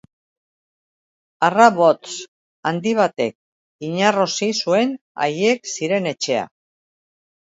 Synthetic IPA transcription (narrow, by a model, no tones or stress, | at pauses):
araβo̞t̪t͡s | and̪iβ̞at̪e̞k̚ | iɲaro̞sisue̞n | a̰je̞ksiɾe̞ne̞t͡ʃe̞a̰